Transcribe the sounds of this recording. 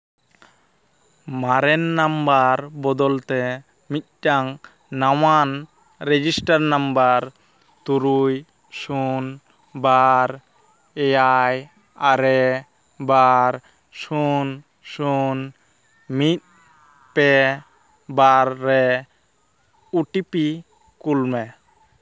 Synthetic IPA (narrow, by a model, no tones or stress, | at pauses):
maɾɛnːambaɾbɔd̪ɔlt̪ɛ | mit̪̚ˀʈaŋ | nawan | ɾɛd͡ʒisʈaɾnambaɾ | t̪uɾuj | sun | baɾ | ɛjaj | aɾɛ | baɾ | sun | sun | mit̪̚ | pɛ | baɾːɛ | uʈipi | kulmɛ